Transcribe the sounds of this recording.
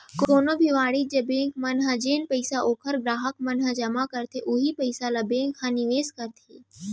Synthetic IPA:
koːnobʱiʋaːɽiːd͡ʒebẽːŋkmɐnɦad͡ʒeːnpəjsaʔoːkʰəɾɡɾaːɦəkmɐnɦəd͡ʒɐmakəɾt̪ʰeʔuɦipəjsalabẽːŋkhãniʋeːskəɾt̪ʰe

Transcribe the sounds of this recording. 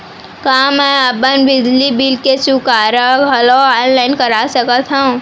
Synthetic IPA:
kaːmɛ̃əbənbɪd͡ʒlibilket͡ʃukaːɾaɡʱɐloaːnlaːɪnkɐɾasəkət̪ʰɦã

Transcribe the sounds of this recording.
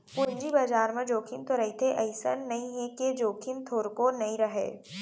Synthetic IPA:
pʊɲd͡ʒibɐd͡ʒaːɾmẽd͡ʒoːkʰɪnt̪oɾɐɦit̪ʰeʔɐɪsə̰nːɐɦĩɦẽked͡ʒoːkʰɪnt̪ʰoːɾkonɐĩɾɐɦḛː

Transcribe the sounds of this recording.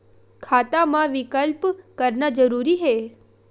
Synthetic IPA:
kʰat̪amãʋɪkəlpkəɾnad͡ʒəɾuɾiɦe

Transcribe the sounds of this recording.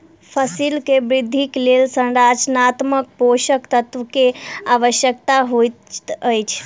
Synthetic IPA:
pʰəsilkebɾɪd̪ʱːiklelsənɾad͡ʒnat̪mək̚poʃəkt̪ət̪ʋəkeaʋəʃjəkt̪aɦot̪t̪əjt͡ʃʰ

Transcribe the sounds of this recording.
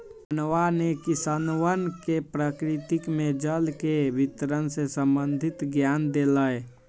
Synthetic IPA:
ənwanekisanwənkepɾəkɾit̪ikmed͡ʒəlkebʱit̪ɾənsesəmbənd̪ʱit̪ɡjand̪eləj

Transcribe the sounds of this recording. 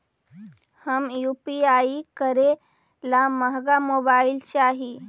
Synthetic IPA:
həmjuːpiaːikəɾe | laməɦɡamobaːɪlt͡ʃaːɦi

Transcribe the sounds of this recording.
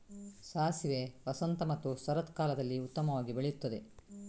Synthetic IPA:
saːsiʋeʋɐsɐnt̪ɐmɐt̪ːusɐɾɐt̪kaːlɐd̪ɐlːiut̪ːɐmɐʋaːɡibeɭejut̪ːɐd̪e̞

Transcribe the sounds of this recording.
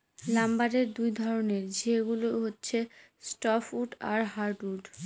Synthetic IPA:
lambaɾeɾd̪ujd̪ʱɔɾoneɾd͡ʑeɡuloɦotːɕʰe | sʈɔfuʈa̰ɾɦaɾʈuʈ

